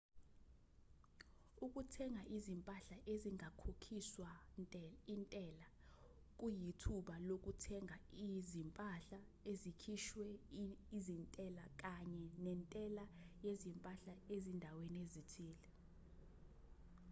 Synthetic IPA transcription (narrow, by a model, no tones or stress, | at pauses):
uk̬ʼutʰɛŋʱaʔizimpʼaɬaʔeziŋʱakʰokʰiswa | intʼɛːla | k̬ʼujitʰuɓalok̬ʼutʰɛŋʱaizimpʼaɬa | ezikʰiʃwɛizintʼɛlak̬ʼaɲɛnɛntʼɛlajezimpʼaɬaezindʱaweniezitʰiːlɛ